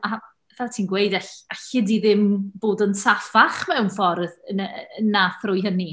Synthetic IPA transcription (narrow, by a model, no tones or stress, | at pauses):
a | ðaːtʰiːnɡwejdaaɬɪdiðɪmboːdənsafaχmɛwnfɔrðənənːaθrʊjhəni